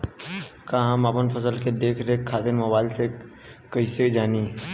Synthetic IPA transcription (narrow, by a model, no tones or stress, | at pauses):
kaːɦɐmapənfəsəlked̪eːkʰɾeɦkʰːaːd̪enmɐbaːɪlse | kɐised͡ʒaːni